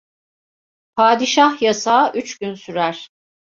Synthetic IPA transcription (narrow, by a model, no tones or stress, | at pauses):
pʰaːd̪iʃahjasaːʔyt͡ʃɟynsyɾæɾ̥